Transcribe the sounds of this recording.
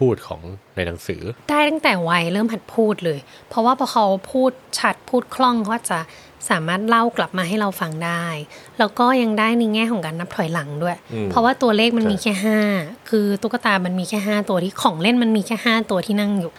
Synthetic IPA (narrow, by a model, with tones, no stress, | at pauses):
pʰuː˥˩t̪̚kʰɔ̰ː˩˦ŋna˧jna˨˩˦ŋsɯ̰ː˩˦d̥aː˥˩jt̪a˥˩ŋt̪ɛː˨˩wa˧jɾɤː˥˩mɦa˨˩t̪̚pʰuː˥˩t̪̚lɤː˧j | pʰɾɔ˧˥waː˥˩bʰɔː˧kʰa˦˥wpʰuː˥˩t̪̚t͡ɕʰa˦˥t̪̚pʰuː˥˩t̪̚kʰlɔ˥˩ŋkʰa˧˥wʔaː˨˩t͡ɕa˨˩ | saː˩˦maː˥˩t̪̚la˥˩wkla˨˩p̚maː˧ɦa˥˩jɾa˧wfa˧ŋdaː˥˩jlɛː˦˥wkɔː˥˩ja˧ŋdaː˥˩jna˧jŋɛː˥˩kʰɔː˨˩˦ŋkaː˧nːa˦˥p̚t̪ʰɔ˨˩˦jla˩˦ŋdu˥˩əjpʰɔ˦˥waː˥˩t̪u˧ɐleː˥˩k̚ma˧nmiː˧kʰɛː˥˩ɦaː˥˩kʰɯː˧t̪u˦˥˩ka˧t̪aː˧ma˧nmiː˧kʰɛː˥˩ɦaː˥˩t̪u˧ɐt̪ʰiː˥˩kʰɔː˩˦ŋle˥˩nma˧nmiː˧kʰɛː˥˩haː˥˩t̪u˧ɐt̪ʰiː˥na˥˩ŋjuː˨˩